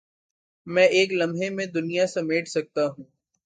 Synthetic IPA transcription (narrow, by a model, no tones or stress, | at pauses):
mɛ̃ːʔeːklɐ̃mɦẽmẽd̪ʊnijasɐmeːʈʰsɐk̚t̪aɦũː